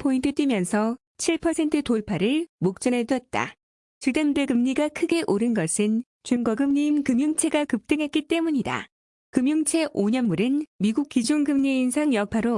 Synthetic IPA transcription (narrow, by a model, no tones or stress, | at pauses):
pʰointʰɯt͈wimjʌnsʰʌ | t͡ɕʰiɭpʰʌsʰe̞ntʰɯtoɭpʰaɾɯɭmok̚t͡ɕ͈ʌnedʌt̚t͈a̰ | t͡ɕɯdamdeɡɯmɲiɡakʰɯɡe̞ʔoɾɯnɡʌsʰɯn | t͡ɕunɡʌɡɯmɲiːnkɯmjuŋt͡ɕʰe̞ɡakɯp̚t͈ɯŋɦe̞t̚k͈it͈e̞muɲida̰ | kɯmjuŋt͡ɕʰe̞ʔoɲʌnmuɾɯnmiɡuk̚k͈id͡ʑunɡɯmɲiːnsʰaŋjʌk̚pʰaɾo